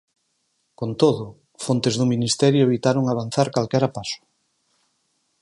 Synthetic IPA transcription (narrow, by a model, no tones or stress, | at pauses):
kont̪oðʊ | font̪ezðʊminist̪ɛɾjʊeβit̪aɾoŋaβ̞an̟θaɾkalkɛɾapasʊ̥